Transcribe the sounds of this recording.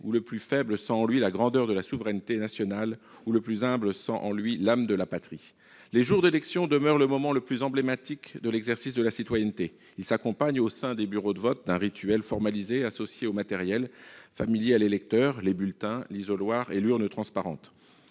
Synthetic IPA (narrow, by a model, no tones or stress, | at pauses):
uləplyfɛbləsɑ̃ɑ̃lɥilaɡʁɑ̃d̪œʁd̪əlasuvʁɛnt̪enasjɔnal | uləplyzɛ̃bləsɑ̰̃ʔɑ̃lɥilamd̪əlapat̪χi | leʒuʁd̪elɛksjɔ̃d̪əmœʁləmɔmɑ̃ləplyzɑ̃blemat̪ikd̪əlɛɡzɛʁsisd̪əlasit̪wajɛnt̪e | ilsakɔ̃paɲosɛ̃d̪ebyʁod̪əvɔt̪̚d̪ɛ̃ʁit̪ɥɛlfɔʁmalizeasɔsjeomat̪ɛʁjɛlfamiljealelɛk̚t̪œʁlebylt̪ɛ̃lizɔlwaʁelyʁnt̪χɑ̃spaʁɑ̰̃t̪